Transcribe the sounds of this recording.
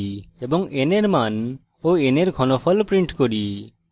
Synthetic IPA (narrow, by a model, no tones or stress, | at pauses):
ebɔŋeneɾman | oeneɾkʰɔnopʰɔlpɾiɳʈkoɽi